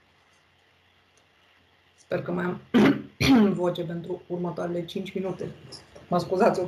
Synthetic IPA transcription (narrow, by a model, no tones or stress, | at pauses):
spe̞rkəmajam | vo̞t͡ʃe̞p̬e̞nt̪ɾuurmət̪oaɾe̞le̞t͡ʃint͡ʃʲminut̪e̞məskuzat̪sʲ